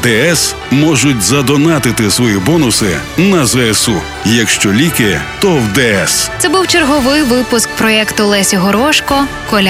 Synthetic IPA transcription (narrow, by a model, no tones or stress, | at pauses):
d̪ɛɛs | mɔʒʊtʲzɐd̪ɔnɑt̪ɪt̪ɪsʋɔjibɔnʊsɪ̰nɐzɛɛsu | jɐkʃt͡ʃɔlʲikɪt̪ɔwd̪ɛɛst̪sɛbuwt͡ʃerɦɔʋɪjʋɪpʊsk̚pɾɔɛkt̪ʊlˠɛsʲiɦɔɾɔʃkɔ | kɔlʲa